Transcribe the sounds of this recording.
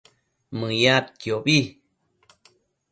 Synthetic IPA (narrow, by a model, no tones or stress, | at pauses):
mɨjat̪̚kjobi